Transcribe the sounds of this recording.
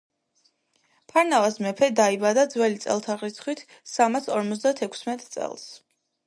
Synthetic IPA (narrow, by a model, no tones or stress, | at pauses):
pʰaɾnavasmɛpʰɛd̪aibad̪ad̪zwɛlit̪sʼɛ̰lˠt̪ʰaʁɾit̪sʰχwit̪ʰ | samasɔɾmɔt̪sʰd̪at̪ʰɛkʷʰsmɛt̪ʼt̪sʼɛ̰lˠs